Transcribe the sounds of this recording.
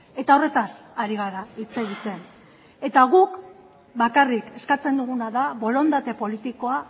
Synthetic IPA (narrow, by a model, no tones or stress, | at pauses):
e̞t̪ao̞re̞t̪asaɾiɣaɾait͡seɣit͡s̪e̞n | e̞t̪aɣuk | bakarike̞skat͡se̞nd̪uɣunaðaβo̞lo̞nd̪at̪e̞po̞lit̪iko̞a